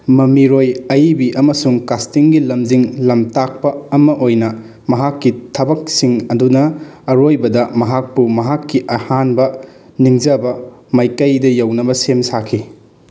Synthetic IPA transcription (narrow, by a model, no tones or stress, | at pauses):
mɐmiɾojɐjbiʔɐmɐsuŋkastiŋɡilɐmziŋlɐmtak̚pɐɐmɐʔojnɐ | mɐɦakːitʰɐbɐk̚siŋɐdunɐːɾojbɐdɐmɐɦak̚pumɐɦakːiʔɐhanbɐ | niŋzɐbɐ | mɐjkɐjdɐjɐwnɐbɐsemsakʰi